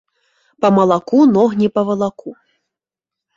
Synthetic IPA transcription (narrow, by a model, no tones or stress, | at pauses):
pɐmɐlˠakunɔɣnʲipɐvɐlˠaku